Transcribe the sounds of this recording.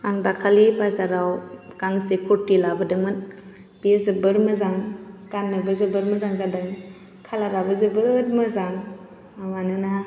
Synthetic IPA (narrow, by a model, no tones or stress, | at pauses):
aŋdakʰalibazaɾawkaŋsekʰɔtːilabɯdɯmɯn | b̥izɯbɯɾmɯzaŋkanːɯbɯzɯbɯɾmɯzaŋzadɯŋ | kʰalaɾabɯzɯbɯtmɯzaŋ | amanɯna